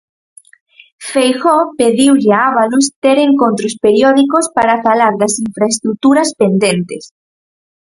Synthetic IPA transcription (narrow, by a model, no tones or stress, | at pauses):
fejxɔpeðiwʎɪaaβalust̪eɾeŋkont̪ɾospeɾjɔðikospaɾafalaɾðɐsiɱfɾaest̪ɾut̪uɾɐspend̪ent̪es